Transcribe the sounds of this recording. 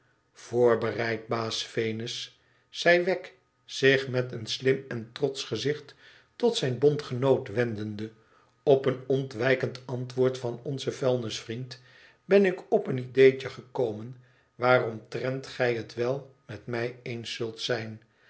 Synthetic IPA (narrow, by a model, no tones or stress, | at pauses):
v̥oːɹbərɛjt̚baːsfejnəsː | ɛjʋɛk | sɪχmɛtənslɪmɛntrɔtsχəzɪχt | tɔtsɛjnbɔntχənowtʋɛndəndə | ɔpənɔntʋɛjkəntɑntʋʊːɹtfɑnɔnzəfɛlˠnəsfrint | bɛnɪkɔpənidejt͡ʃəχəkowmən | ʋaːrɔmtrɛntχɛjɦətʋɛlˠmɛtmɛjejnsɵlˠtsɛjn